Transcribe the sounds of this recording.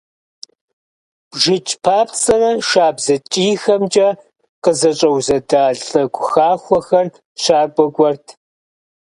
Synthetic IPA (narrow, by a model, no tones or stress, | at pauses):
b̥ʒɪt͡ʃʼpʰaːpʰt͡sʼɐnɐʃaːbzɐt͡ʃʼiːxɐmd͡ʒʼɐ | qəzɐt͡ʃʼɐwzɐdaːɮʼɐɡʷxaːχʷɔxɐr | ɕʰaːɡʷɔɡʷɔrtʰ